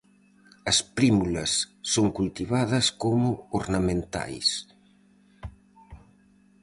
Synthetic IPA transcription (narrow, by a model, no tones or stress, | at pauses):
ɐspɾimulɐsːoŋkult̪iβaðɐskomʊoɾnɐmẽnt̪a̰js